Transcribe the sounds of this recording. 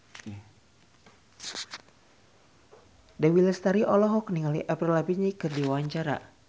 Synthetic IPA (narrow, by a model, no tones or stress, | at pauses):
dawilɛst̪aɾiʔɔlɔɦɔkniŋaliʔapɾilapiɲikɨrdiwawaɲt͡ʃaɾa̰